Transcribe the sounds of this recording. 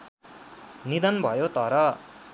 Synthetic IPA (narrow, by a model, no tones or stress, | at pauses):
nid̪ʌnbʱʌjot̪ʌɾʌ